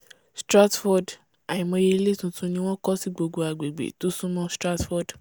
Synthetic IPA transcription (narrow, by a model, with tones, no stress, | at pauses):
stɾa˦tfɔ˧d | a˨ĩ˨mɔ̃˧je˧i˧˦le˦tũ˧tũ˦nĩ˧w̃ɔ̃˦kɔ˦si˦ɡ͡bo˧ɡo˧a˨ɡ͡be˨ɡ͡bḛ˨to˦sũ˦mɔ̃˦stɾa˦tfɔ˦d